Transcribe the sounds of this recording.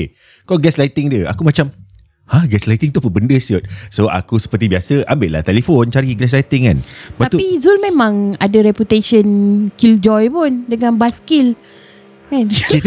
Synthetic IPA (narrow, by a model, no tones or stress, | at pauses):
kɔlɡɛslajt̪ɪŋdiəa̰kumat͡ʃam | hahɡɛslajt̪ɪŋt̪upəbəndəsiɔt̪̚soʔa̰kusə̥pərt̪ibiasəʔambeʔla̰ht̪ɛlefont͡ʃaɾiɡlɛs̬lajt̪ɪŋka̰nbaat̪uizulmẽmãŋadəɾɛput̪eʃənkild͡ʒɔjpʊndəŋãnbaskil | kani